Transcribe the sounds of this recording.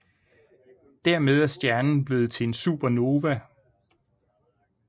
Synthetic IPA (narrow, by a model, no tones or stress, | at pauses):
d̥æɐ̰með̞ˠæɐsd̥jæɐnn̩b̥le̝ːð̩ˠt͡sʰe̝e̝nsṵːb̥ɐno̝ːʋæ